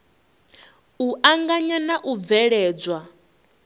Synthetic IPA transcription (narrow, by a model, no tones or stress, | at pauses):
uʔaŋɡaɲanaʔuvɛɺɛːd͡zwa